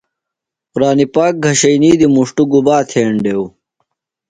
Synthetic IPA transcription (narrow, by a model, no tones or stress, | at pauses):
quɾaːnipaːk̚ɡʱɐɕɐjniːd̪imuʂʈuɡubaːt̪ʰeːɳɖew